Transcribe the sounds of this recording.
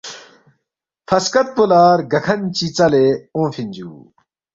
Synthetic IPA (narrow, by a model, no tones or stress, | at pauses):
fʰɐskɐt̪̚pulaːɾɡɐkʰɐnt͡ɕit͡sɐleõːfinʲd͡ʑṵː